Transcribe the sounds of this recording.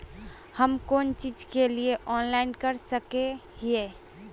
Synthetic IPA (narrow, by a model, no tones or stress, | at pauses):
həmkont͡ʃid͡ʒkelieʔɔnlaɪnkəɾsəkeɦie